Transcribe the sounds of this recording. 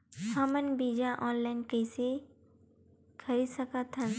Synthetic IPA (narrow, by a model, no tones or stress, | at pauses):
hɐmənbiːd͡ʒaʔɔːnlaɪnkəːse | kʰɐɾisəkat̪ʰːɐ̃n